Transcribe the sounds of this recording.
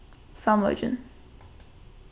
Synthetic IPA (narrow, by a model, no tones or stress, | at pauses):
sãmlə̰ʊd͡ʒə̰̃n